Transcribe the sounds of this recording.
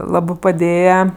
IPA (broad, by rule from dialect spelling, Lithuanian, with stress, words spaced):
ˈlˠɑːbɜ pɐˈdʲeːjɛ